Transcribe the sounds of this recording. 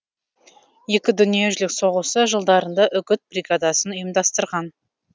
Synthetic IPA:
je̞kʲɪd̪ʏnije̞ʒɪlɪkso̞ʁəsəʒəlˠd̪ɑɾənd̪ɑʔʏkʲɪt̪̚briɡad̪ɑsənʊjəmd̪ɑst̪əɾʁɑn

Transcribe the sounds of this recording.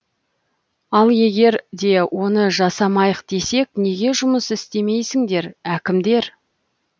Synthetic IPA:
ɑlˠje̞ɡʲe̞ɾd̪e̞wʔo̞nəʒɑsɑmɑjəq̚d̪̥e̞se̞kne̞ɡʲe̞ʒʊməsɪst̪e̞me̞jsɪŋd̪e̞ɾækʲɪmd̪e̞ɾ

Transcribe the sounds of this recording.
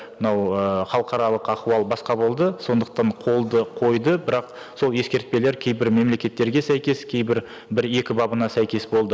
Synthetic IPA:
mənɑwəχɑlˠəqɑɾɑlˠəqɑχuɑlˠbɑsqɑbo̞lˠd̪əso̞nd̪əq̚t̪ɑɴqʰo̞lˠd̪əqʰo̞jd̪əbɪɾɑq | so̞lˠje̞skʲe̞ɾt̪̚pe̞le̞ɾkʲʰe̞jbɪɾme̞mle̞kʲe̞t̪ːe̞ɾɡʲe̞sæjkʲe̞skʲʰejbɪɾ | bɪɾe̞kʲɪbɑbənɑsæjkʲe̞sbo̞lˠd̪ə

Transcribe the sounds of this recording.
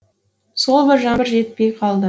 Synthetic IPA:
so̞lˠbɪɾʒɑbɪɾʒe̞t̪̚pe̞jqʰɑlˠd̪ə

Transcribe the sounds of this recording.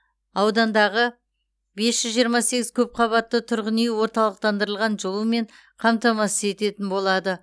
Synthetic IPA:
ɑwd̪ɑnd̪ɑʁə | be̞sʒ̥ʏzʒijəɾmɑse̞ɡʲɪz̥kʲʰɵp̚qʰɑβɑt̪ːət̪ʰʊɾʁənejwo̞ɾt̪ɑlˠəq̚t̪ɑnd̪əɾəlˠʁɑnʒolˠəme̞ɴ | qʰɑmt̪ɑmɑsə̥se̞t̪e̞t̪ɪnbo̞lˠɑd̪ə

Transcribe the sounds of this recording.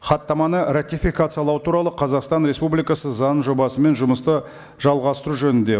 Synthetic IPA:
χɑt̪ːɑmɑnərat̪ijfʲikat̪sɨjɑlˠɑwt̪ʰuɾɑlˠəqʰɑzɑqst̪ɑnɾe̞spublijkɑsəzɑnʒo̞bɑsəme̞nʒʊməst̪ə | ʒ̥ɑlˠʁɑst̪əɾuʒɵnɪnd̪e̞

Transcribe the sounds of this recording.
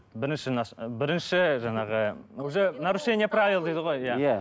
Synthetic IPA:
bɪɾɪnʃɪnɑbɪɾɪnʃɪʒɑɴɑʁəoʒe̞naɾuʃenʲɪjəpravʲilˠd̪ejd̪əʁo̞jjaja

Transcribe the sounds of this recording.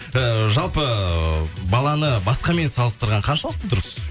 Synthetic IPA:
əʒɑlˠpə | bɑlˠɑnəbɑsqɑme̞nsɑlˠəst̪əɾʁɑɴqʰɑnʃɑlˠəqt̪əd̪ʊɾəs

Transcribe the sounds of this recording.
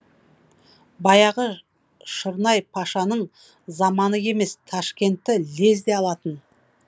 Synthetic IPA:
bɑjɑʁə | ʃəɾnɑjpʰɑʃɑnəɴ | zɑmɑnəe̞me̞st̪ʰɑʃkʲe̞nt̪ːɪle̞zd̪e̞ɑlˠɑt̪ən

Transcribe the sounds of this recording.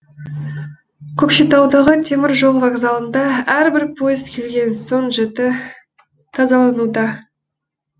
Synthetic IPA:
kʲʰɵkʃijt̪ɑwd̪əʁət̪ʰe̞mɪɾʒo̞lˠvaɡzɑlˠənd̪ɑæɾbɪɾpʰo̞jəzkʲʰe̞lɡʲe̞nso̞nʒɪt̪ɪ | t̪ʰɑzɑlˠɑnud̪ɑ

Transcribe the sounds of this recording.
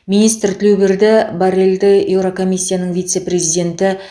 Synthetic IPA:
minijst̪rt̪ʲʰɪlubɪɾd̪ɪbɑɾeld̪ɪe̞wɾo̞kʰo̞mijsʲːijanəɴvijt̪se̞prʲe̞zijd̪ʲe̞nt̪ɪ

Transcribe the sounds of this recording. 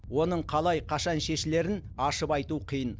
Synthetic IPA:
wo̞nəɴqʰɑlˠɑjqʰɑʃɑnʃe̞ʃɪle̞ɾɪnɑʃəpɑjt̪uqʰijən

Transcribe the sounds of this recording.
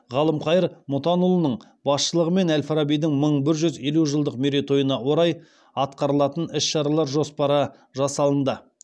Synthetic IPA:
ʁɑlˠəmqʰɑjəɾmʊt̪ɑnʊlˠənəɴ | bɑsʃəlˠəʁəme̞nælfɑɾabijd̪ɪŋməɴbɪɾʒʏze̞luʒəlˠd̪əqmʲeɾʲet̪ʰo̞jənɑwo̞ɾɑj | ɑt̪̚qɑɾəlˠɑt̪ənɪsʃɑɾɑlˠɑɾʒo̞spɑɾə | ʒɑsɑlˠənd̪ə

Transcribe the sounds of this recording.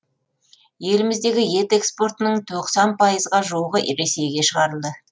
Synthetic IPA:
je̞lɪmɪzd̪e̞ɡʲɪje̞t̪e̞kspo̞ɾt̪ənəɴt̪ʰoqsɑnpʰɑjəzʁɑʒuwəʁəʔɾe̞se̞jɡʲe̞ʃəʁɑɾəlˠd̪ə

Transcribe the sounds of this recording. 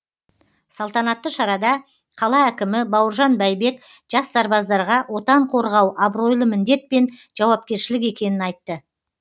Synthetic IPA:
sɑlˠt̪ɑnɑt̪ːəʃɑɾɑd̪ɑ | qʰɑlˠɑækʲɪmɪbɑwəɾʒɑnbæjbe̞k | ʒ̥ɑsːɑɾbɑzd̪ɑɾʁɑwʔo̞t̪ɑɴqʰo̞ɾʁɑwʔɑbɾo̞jlˠəmɪnd̪e̞t̪̚pe̞nʒ̥ɑwɑp̚kʲe̞ɾʃɪlɪk̬e̞kʲe̞nɪnɑjt̪ːə

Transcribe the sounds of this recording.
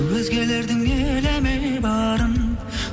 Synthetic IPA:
wɵzɡʲele̞ɾd̪ɪŋb̪elemebɑɾəm

